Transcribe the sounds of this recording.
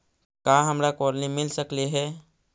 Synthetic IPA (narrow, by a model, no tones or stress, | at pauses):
kaɦəmɾakɔɾnimɪlsəkleɦɛː